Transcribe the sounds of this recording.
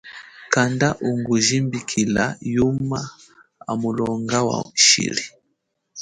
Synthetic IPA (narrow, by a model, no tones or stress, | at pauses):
kandaʔuŋɡuʒimbikʰila̰juma | a̰mulɔŋɡawa̰ʃḭli